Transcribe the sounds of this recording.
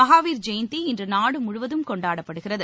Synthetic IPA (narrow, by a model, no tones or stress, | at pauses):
ɐɣaːʋiːɾd͡ʒɛjnt̪iɪndrɯnaːɽɯmʊɻʊʋɐðɯmkɔɳɖaːɽɐpːɐɽɯɣɪrɐðɯ